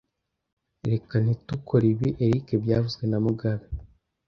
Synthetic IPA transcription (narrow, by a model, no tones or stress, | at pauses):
ɾekan̥itukʰoɾiβiʔeɾikebjaːvuzɡenamuɡaβa